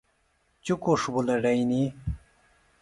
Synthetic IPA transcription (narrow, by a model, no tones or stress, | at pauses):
t͡ɕukoʂbulɐɖɐjni